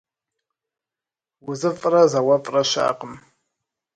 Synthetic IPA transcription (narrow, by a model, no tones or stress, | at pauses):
wuzɨfʼrazawapʼraʃʷa̰ːqʼəm